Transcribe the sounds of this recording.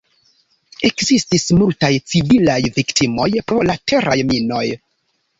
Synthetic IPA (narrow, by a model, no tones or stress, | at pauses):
e̞kzistismultajt͡sivilajviktimo̞jpɾo̞latʰe̞ɾʔajmino̞j